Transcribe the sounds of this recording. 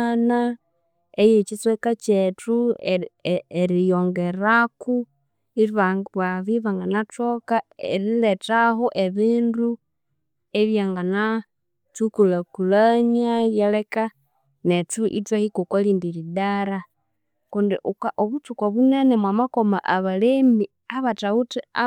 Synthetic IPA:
na | ejet͡ʃit͡swekat͡ʃetu | eɾijoŋɡeɾaku | iɾβawaβiβaŋɡanatokaḛɾiletaɦoʔeβiːndu | eβjaŋɡana | t͡sukulakulaɲajeleka | net͡suʔḭt͡swahikukoliːndiɾidaɾa | kundiʔukaʔoβut͡sukwaβunenemwamakomaʔaβalemi | aβatautia

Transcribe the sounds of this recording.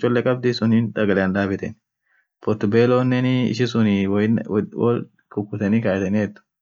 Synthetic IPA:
t͡ʃʼːɔlːɛkʼɐb̚d̪ɪsʊniːnd̪ɐɡɐlɛɐnd̪aːbɪt̪ɛn | pɔɾt̪ʊbeːloːnːɛnɪɪ̰ʃɪsʊnɪwwɔ̰l | kʊkːʊt̪ɛniːkaːjɛt̪ɛnihɛd̪ːʊ̥

